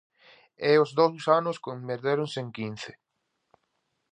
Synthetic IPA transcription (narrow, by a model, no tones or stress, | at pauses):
ɛozðowsanʊskombeɾðeɾʊŋseŋkin̟θɪ̥